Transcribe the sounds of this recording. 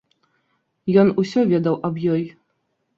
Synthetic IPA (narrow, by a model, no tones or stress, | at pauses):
jɔnusʲɔvʲɛd̪ɐwʔɐbjɔj